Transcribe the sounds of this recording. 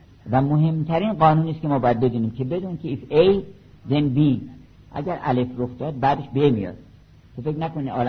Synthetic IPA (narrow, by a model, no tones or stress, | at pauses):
væmoɦe̞mt̪ʰæɾiːnɢɒːnuːniːskʲemɒːbɒːjæd̪̚be̞d̪uːniːmcʰe̞be̞d̪uːnkʰʲeifej | d̪enbi | ʔæ̰ɟæɾʔæ̰le̞froxd̪ɒːd̪̚bæːd̪eʃbemijɒ̰ːd̪̚ | t̪ʰofeknækoniɒːl